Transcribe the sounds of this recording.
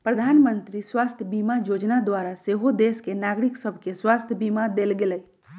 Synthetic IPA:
pɾəd̪ʱaːnmənt̪ɾiswaːst̪ʰjbimajod͡ʒnad̪waɾaseɦod̪eskenaːɡɾiksəbʱkeswast̪ʰjəbimad̪elɡeləi

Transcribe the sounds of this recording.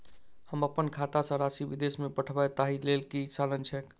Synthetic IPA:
həməpənkʰat̪asə̃ɾasibid̪esmepəʈʰbajt̪aɦilelkit͡ʃalənt͡ʃʰɛk

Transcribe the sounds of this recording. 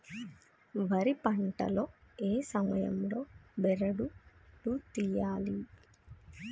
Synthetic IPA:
ʋɐɾipɐɳʈɐ̰loːeːsɐmɐjɐ̰mlo̞ːbɛɾɐɽuʈut̪ijaːli

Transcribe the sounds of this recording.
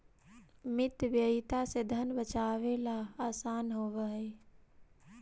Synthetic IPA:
mɪt̪bjəit̪ased̪ʱənbət͡ʃaːʋelaaːsaːnɦoːʋəɦe

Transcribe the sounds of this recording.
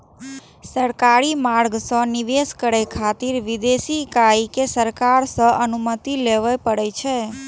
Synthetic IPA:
səɾkaɾimaɾɡsə̃niʋeskəɾekʰat̪iɾʋid̪esikajkesəɾkaɾsəənumət̪ileʋajpəɽet͡ʃʰe

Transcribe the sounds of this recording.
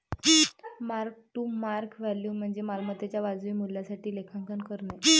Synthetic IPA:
maɾk̚ʈuːmaɾkʋɛljuːm̤əɳd͡zemalmət̪et͡ɕjaʋad͡zʋiːmulːjasaʈiːlekʰaŋkənkəɾɳa

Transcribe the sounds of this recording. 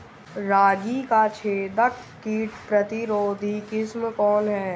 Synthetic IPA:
ɾaːɡikat͡ʃʰeːd̪ək | kiːʈpɾət̪ɪɾoːd̪ʱikɪsmkɔːnɦɛː

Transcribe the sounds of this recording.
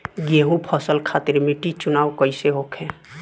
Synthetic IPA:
ɡeɦũpʰɔsəlkʰat̪iɾmiʈit͡ʃunawkəjseɦokʰẽ

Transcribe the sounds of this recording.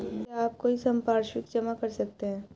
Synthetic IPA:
aːp̚koisɐ̃mpaːɾʃwɪkd͡ʒɐmakɐɾsɐk̚t̪eɦɛ̃ː

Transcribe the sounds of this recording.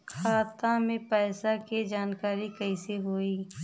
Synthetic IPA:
kʰaːt̪amẽpɛːsaked͡ʒaːnkaːɾikɐĩseɦoːiː

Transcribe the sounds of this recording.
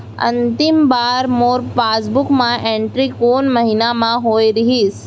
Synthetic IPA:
ɐ̰̃nt̪ɪmbaːɾmoːɾpaːsbʊkmãʔẽːɳʈɾikoːnmɐɦinamãɦoːiɾɐɦiːs

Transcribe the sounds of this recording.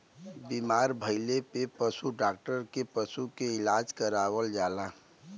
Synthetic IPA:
bimaːɾbʱəɪlepepəsuɖaːk̚ʈəɾkepəsukeɪlaːd͡ʒkəɾaːwəld͡ʒaːlaː

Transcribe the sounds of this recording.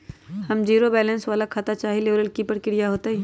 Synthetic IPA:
hɐmd͡ʒiːɾobɛːlə̃nsʋaːlakʰaːt̪at͡ʃaːɦeleʋɾəlkipəɾkɪɾijaɦoːt̪aɦɛː

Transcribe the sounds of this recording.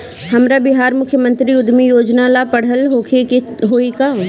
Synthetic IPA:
hɐmɾabɪɦaːɾmʊkʰjəmə̃nt̪ɾiʊd̪ʱmijoːd͡ʒnalapɐɽ̤əlɦokʰeɦoːika

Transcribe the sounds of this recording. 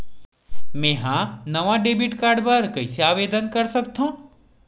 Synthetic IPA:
mɛ̃ːɦãnɐʋãɖeːbiʈkaːɾɖpɐɾkɐiseaːʋeːd̪ʱənkɐɾsɐkt̪ʰũː

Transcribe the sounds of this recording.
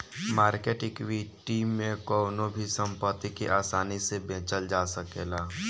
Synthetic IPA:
maːɾkeːʈɪkʋiʈiːmːẽkɔːnõbʱisə̃mpət̪ːikiʔaːsaːnisebẽːt͡ʃəld͡ʒaːsəkeːlaː

